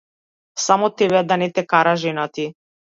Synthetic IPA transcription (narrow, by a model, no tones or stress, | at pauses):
samɔt̪ɛbɛd̪anɛt̪ɛkaɾaʒɛnat̪i